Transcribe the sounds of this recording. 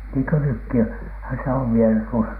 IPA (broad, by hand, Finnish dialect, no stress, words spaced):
niːŋkø nykːi hæ se oʋ ʋielæ tuosɑ